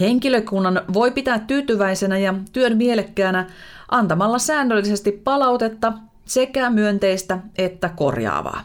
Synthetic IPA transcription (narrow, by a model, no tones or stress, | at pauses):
he̞ŋkiløkunːɑnʋo̞jpit̪æːt̪t̪ːyːt̪yʋæisenæjɑt̪yønmielekːæːnæ | ʔɑnt̪ɑmɑlːɑsæːnːølːise̞st̪ippɑlɑut̪e̞t̪ːɑ | se̞kæmyønt̪e̞ist̪æe̞t̪ːæko̞̰rjɑ̰ːʋɑ̰ː